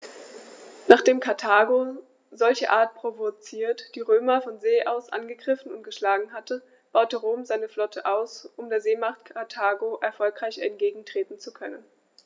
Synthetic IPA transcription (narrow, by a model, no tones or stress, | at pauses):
naːχd̥eːmkʰaɐtʰaːɡo | zɔlçə̰ʔaːɐt̚pʁ̥ovot͡siːɐtd̥iːʁøːmɐfɔnzeːʔaʊsʔa̰nɡəɡʁɪfn̩ʊnt̚ɡ̥əʃlaːɡŋ̩ɦatə | b̥aʊtəʁoːmzaɪnəflɔtʰəʔaʊsʔʊmdeːɐzeːmaχtkʰatʰaːɡoʔɛɐfɔlkʁ̥aɪçɛ̰ntɡ̥eːɡŋ̩tʁ̥eːtn̩t͡sukʰœnən